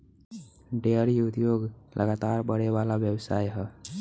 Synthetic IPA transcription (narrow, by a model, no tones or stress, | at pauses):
ɖeəɾiut̪joɡlʔə̰ɡat̪aɾbəɽebalabjəbsajɦə